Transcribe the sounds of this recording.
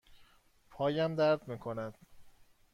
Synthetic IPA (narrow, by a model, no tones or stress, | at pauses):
pʰɒːjæmd̪æɾd̪miːkʰonæd̪̥